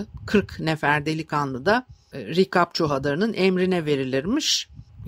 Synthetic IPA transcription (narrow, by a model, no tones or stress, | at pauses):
kʰɯɾknɛfæɾd̪elʲikʰanlˠɯd̪aɾikʰap̚t͡ʃʰoɦad̪aɾɯnɯnʔɛmɾinɛve̞ɾilʲiɾmiʃ